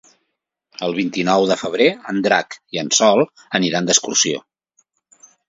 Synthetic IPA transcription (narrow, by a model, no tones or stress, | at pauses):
əlˠβ̞int̪inɔwðəfəβ̞ɾeənd̪ɾakiənsɔlˠ | əniɾand̪əskursio̰